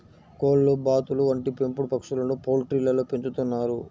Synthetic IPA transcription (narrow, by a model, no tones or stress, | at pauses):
koːlːubaːt̪uluɐɳʈipempuɽupɐkʂulɐnuːpoːlʈɾiːlɐloːpeɲt͡ʃut̪unːaːɾu